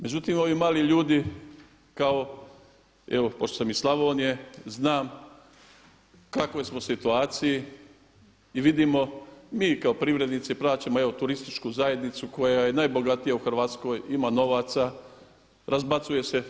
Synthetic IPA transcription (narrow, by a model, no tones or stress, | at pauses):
me̞d͡ʒut̪imo̞ʋimaːliʎuːd̪i | kao̞ | ḛʋopoʃt̪osamislˠaʋoːnijeznaːm | kakojsmo̞sit̪uaːt̪siji | iʋid̪imo̞miːkaopɾiʋɾe̞d̪nit̪siplaːt͡ʃamoe̞ʋo̞t̪uɾist̪it͡ʃkuzaje̞d̪nit̪suko̞jaje̞najbo̞ɡat̪ijauxrʋaːt̪sko̞ːjimaːno̞ʋaːt̪sa | ɾazbat̪suje̞se